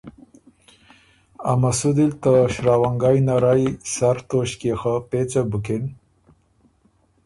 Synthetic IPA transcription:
a̰masud̪ilt̪əʃɾaːwaŋɡajnaɾajsaɾt̪oɕkexapet͡sabukɪn

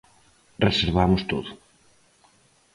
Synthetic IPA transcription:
reseɾβamʊst̪oðʊ

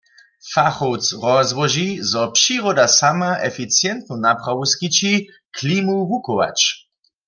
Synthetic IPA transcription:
faxowt͡sʁɔzwɔʒizɔpʃiʁɔdasamaʔɛfit͡sjɛnt̪nunapχawuskit͡ʃi | kʰlimuɦukɔwa̰t͡ʃ

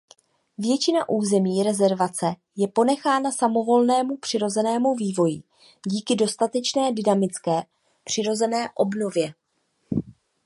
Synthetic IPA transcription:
vjɛt͡ʃɪnaʔuːzɛmiːɾɛzɛɾvat͡sɛ | jɛpo̞nɛxaːnasamo̞vo̞lnɛːmupr̥ɪɾo̞zɛnɛːmuviːvo̞jɪ | ɟiːkɪdo̞st̪at̪ɛt͡ʃnɛːdɪnamɪt͡skɛː | pr̝̥ɪɾo̞zɛnɛːʔo̞bno̞vjɛ

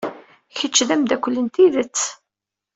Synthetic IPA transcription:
çət͡ʃːðæmd̪ækʷːəlːənt̪iðət͡sː

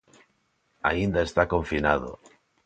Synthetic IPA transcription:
a̰ind̪ae̞st̪ako̞ɱfinað̞o̰

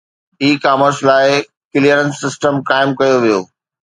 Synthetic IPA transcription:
iːkaːməɾslaːɪ | kɪlijəɾənsːɪsʈəmkaːɪmkɐjoʋijo̰ː

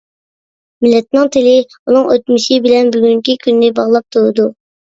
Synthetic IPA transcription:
mɪlːɛt̪̚nɨŋt̪ʰɪlɪ | unɨŋøt̪myʃɪbɪlɛnbyɡʲyŋkʲikʲʰynːɪbɑʁlˠɑp̚t̪ʰuɾɨd̪u

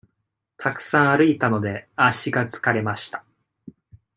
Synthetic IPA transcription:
t̪ʰakɯ̟̥sãɰ̃aɾɯ̟it̪ano̞d̪e̞aɕiɡat͡sɨ̥kaɾe̞maɕi̥t̪ḁ

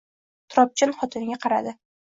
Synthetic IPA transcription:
t̪ʰɾɒp̚t͡ʃʰɪnχɒt̪ʰɪnɡʲaqʰɑɾa̰d̪ɪ

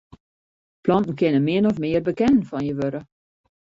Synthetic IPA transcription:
plɔnn̩kɪnənmɪənɔfmɪərbəkɛnn̩fɔnjəʋøɾə

